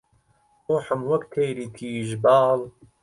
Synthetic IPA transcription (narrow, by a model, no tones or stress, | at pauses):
oːħəmwɐkt̪ʰejɾiːt̪ʰiːʒbɑːl